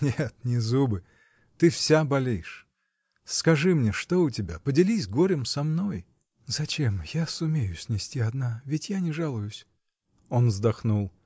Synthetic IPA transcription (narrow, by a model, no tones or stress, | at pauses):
nʲet̪nʲɪzubɨ | t̪ɨfsʲabɐlʲejɪʂ | skɐʐɨmnʲeʂt̪oʊtʲɪbʲa̰pədʲɪlʲisʲɡoɾʲɪmsɐmno̞j | zɐt͡ɕemjasʊmʲejʊsʲnʲɪsʲtʲiɐd̪navʲɪtʲjanʲɪʐalˠʊjʊsʲ | o̞nvzd̪ɐxnulˠ